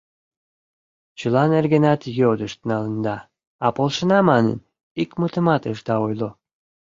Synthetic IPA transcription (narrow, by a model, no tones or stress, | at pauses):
t͡ɕəlɑnerɣənɑt̪jod̪əʃt̪nɑlənd̪ɑ | ɑpolˠʃənɑmɑnə̰n | ikmut̪əmɑt̪əʃd̪ɑojlo